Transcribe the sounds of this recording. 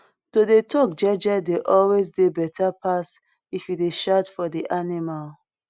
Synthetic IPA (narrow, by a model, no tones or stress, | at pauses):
todetʰɔk̚d͡ʒɛd͡ʒɛdeʔɔlwezdebɛtʰapas | ifideʃatfɔdiʔanimal